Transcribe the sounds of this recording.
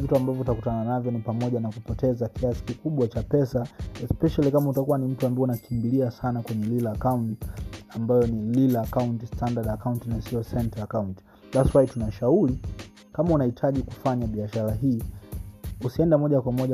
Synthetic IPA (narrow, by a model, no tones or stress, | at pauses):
vituambavjɔutakutananavjɔnipamɔʄanakupɔtʰɛzakiasi̥kikuɓwat͡ʃapɛsaɛspɛʃalikamautakuwanim̩tuambajɔunakimbiliasanakwɛɲɛlilaːkauntiambajɔnililaːkauntistandaɗakauntinasiɔsɛntaːkaunti̥ | ɗaswaitunaʃauɾi | kamaunahitʰaʄiku̥faɲaɓiaʃaɾaɦiː | usiɛndamɔʄakwamɔʄa